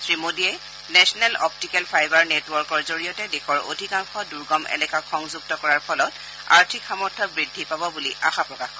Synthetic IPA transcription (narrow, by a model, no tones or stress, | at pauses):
sɹimodiɛ | nɛsɔnɛlɔp̚tikɛlpʰajbaɹnetwɔɹkɔɹzoɹijɔtɛdexɔɹo̰dʱikaŋxɔduɹɡɔmɛ̰lɛkakxɔŋzuk̚tɔkɔɹaɹpʰɔlɔt | a̰ɹtʰikxamɔɹtʰːɔbɹidʱːipabɔbuliʔa̰xapɹɔkaxkɔ